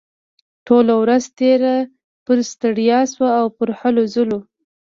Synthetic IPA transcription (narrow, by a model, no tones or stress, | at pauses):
ʈolawɾazt̪eɾa | pəɾst̪əɽjɑswaːwpəɾhalozəlo